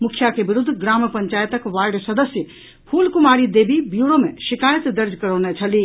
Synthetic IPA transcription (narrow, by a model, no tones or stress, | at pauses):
mukʰjakebiɾud̪ʱːɡɾampəɲt͡ʃajt̪əkʋaɾɖsəd̪əsjə | pʰulkumaɾid̪ebibjuɾomeʃikajət̪d̪əɾd͡ʒʱkəɾənet͡ʃʰəli